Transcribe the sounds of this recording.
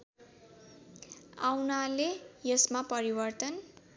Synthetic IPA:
awnalejʌsmapʌɾibʌrt̪ʌn

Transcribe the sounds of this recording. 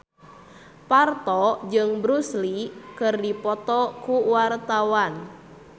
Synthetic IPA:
part̪ɔd͡ʒɨŋbɾuslikɨrdipɔt̪ɔkuwart̪awan

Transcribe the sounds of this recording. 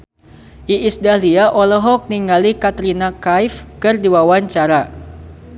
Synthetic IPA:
ʔiisdaliaʔɔlɔɦɔk̚niŋɡalikat̪ɾinakajfkɨrdiwawaɲt͡ʃaɾa

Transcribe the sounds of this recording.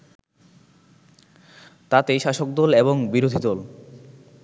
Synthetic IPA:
t̪at̪eʃaʃok̚d̪ɔleβoŋbiɾod̪ʱid̪ɔl

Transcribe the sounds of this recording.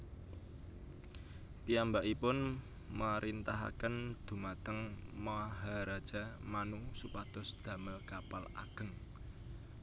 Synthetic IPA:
piambaʔipʊn | maɾʔint̪aɦa̰kənd̪̥ṳmat̪əŋmaɦaɾad̥d͡ʒ̥a̤manusupad̪̥ɔ̤sd̪̥a̤məlkapala̰ɡ̥ə̤ŋ

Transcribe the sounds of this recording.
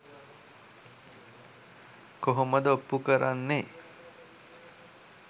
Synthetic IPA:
koɦoməd̪əopːukəɾanːe

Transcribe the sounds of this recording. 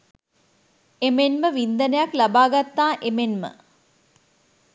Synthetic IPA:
emenməʋind̪ənəjaklabaːɡat̪ːaːʔemenmə̰

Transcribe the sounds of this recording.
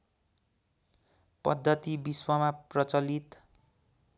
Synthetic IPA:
pʌ̰d̪ʱːʌt̪ibiswʌmaprʌt͡sʌlit̪

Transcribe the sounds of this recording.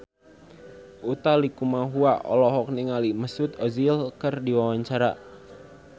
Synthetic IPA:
ʔut̪alikumaɦuaʔɔ̰lɔɦɔk̚niŋaliməsʊt̪ɔzilkərdiwawaɲt͡ʃaɾa

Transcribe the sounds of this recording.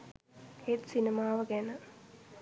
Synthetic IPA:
het̪sinemaːʋəɡænə

